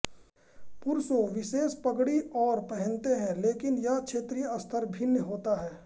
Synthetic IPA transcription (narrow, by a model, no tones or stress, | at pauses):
pʊɾsoʋɪʃeːspɐɡɽiɔːɾpɐɦɛ̃nt̪eɦɛ̃leːkɪnjakʃʰeːt̪ɾijəɐst̪ʰəɾbʱɪnjəɦoːt̪aɦɛː